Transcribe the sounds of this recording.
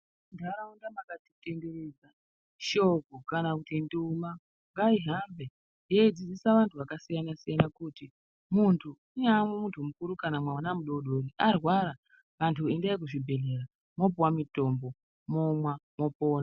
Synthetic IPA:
ndaɾaundamakati̥tendered͡za | ʃokukanakutinduma | ŋɡaiɦambe̞ | jeid͡zid͡zisaʋantʰuʋakasijanasijanakuti | muntʰu | inamwemuntʰumukuɾukanamwanamuɗo̞ɗoniarwaɾa | ʋantʰuindaikuʐibʱe̞le̞ɾa | mo̞p̬uwamito̞mbo̞ | momwamo̞poːna

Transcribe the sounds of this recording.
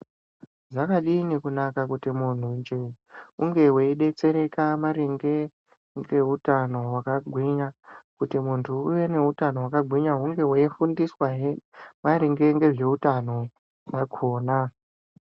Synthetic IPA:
zakaɗinikunakakutimun̤und͡ʒe | uŋɡe̞ɦweiɗe̞t͡se̞ɾe̞kamaɾiŋɡe̞ | ŋɡe̞ɦutano̞wakaɡʱwiɲakutimuntʰuuʋe̞ne̞utano̞wakaɡʱwiɲaɦuŋɡe̞weifundiswaɦemaɾiŋɡe̞ŋɡe̞ʐe̞utano̞ | ʐakʰoːna

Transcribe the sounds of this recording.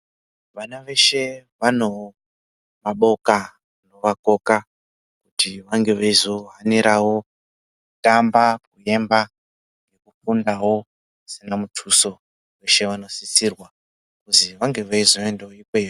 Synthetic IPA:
ʋanaʋe̞ʃe̞ʋano̞ | maɓo̞ka | no̞ʋako̞ka | kutiʋaŋɡe̞ʋaizo̞ɦaniɾawo̞ | kutambakuje̞mba | ŋɡe̞kufundawo̞ | sinamutʰuso̞ | we̞ʃe̞ʋano̞sisiːrwa | kuziʋaŋɡe̞ʋaizo̞endeoikwe

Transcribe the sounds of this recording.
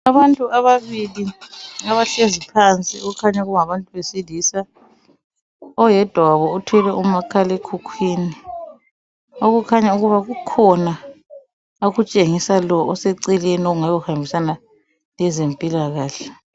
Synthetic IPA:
aβantʼuaβaβiliŋaβaɬezipʰant͡sʼḭuukʰaɲaɣuŋaβantʼuβesilisa | ɔjɛd̥ʱwaβɔutʰwɛlɛumakʰalekʰukʰwiːni | oɣukʰaɲauɣuβaɣukʰɔna | oɣut͡ʃʼeŋisalɔːseǀilɛnoɣuŋajɔhambʱisana | lɛzempʼilaɣaːɬɛ

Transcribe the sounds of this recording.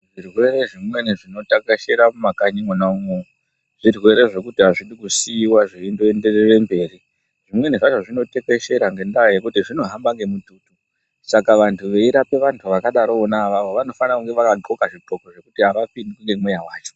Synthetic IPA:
ʐirwe̞ɾe̞ʐimwe̞niʐino̞takeʃeɾamumakaɲiŋonaumo | ʐ̥irwe̞ɾe̞ʐe̞kutiɦaʐiɗikusiːwaʐiendoende̞rere̞mbe̞ːri | ʐimwe̞niʐaʐoʐino̞te̞ke̞ʃe̞ɾaŋɡe̞ndajekutiʐino̞ɦambaŋɡe̞mutuːtu | sakaʋantʰuʋe̞iɾape̞ʋantʰuʋakaɗaɾoːnaʋaʋo̞ʋano̞fanakuŋɡe̞ʋakaǃʱokaʐiǃo̞koʐe̞kutiɦaʋapindikuŋɡemwejawaːt͡ʃo̥

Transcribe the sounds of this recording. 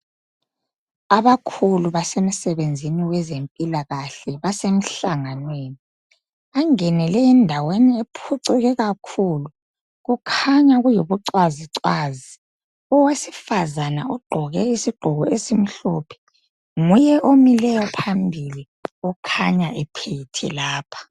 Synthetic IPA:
aβakʰuluβasem̩sɛβend͡zʱiniwɛzempʼilaɣaɬɛβasem̩ɬaŋanweːni | aŋɛnɛlɛɛndʱaweniepʰuǀiɣɛɣakʰulu | ɣukʰaɲaɣujoβuǀwaziǀwaːzi | ɔwesi̥fazana̰ɔɡ͡ǃʱɔɣɛisiɡ͡ǃʱɔɣɔesim̩ɬɔpʰɛ̥ | ŋujɛʔomilɛjɔpʰambʱili | ɔkʰaɲaʔɛpʰeitʰɛ̰laːpʰḁ

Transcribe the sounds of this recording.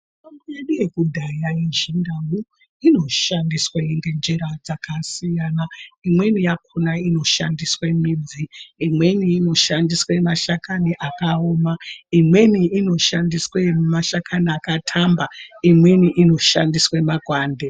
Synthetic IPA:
utomboje̞ɗuje̞kudʱajaiʒindawu | ino̞ʃandiswaiŋɡe̞nd͡ʒeɾad͡zakasijaːnaimwe̞nijakʰunaino̞ʃandiswe̞minviːmwe̞niːno̞ʃandiswemaʃakaniʔakaoːmaimwe̞niːno̞ʃandiswemaʃakʰaniakatʰambaimwe̞niʔino̞ʃandiswe̞maɡʱwaːnde

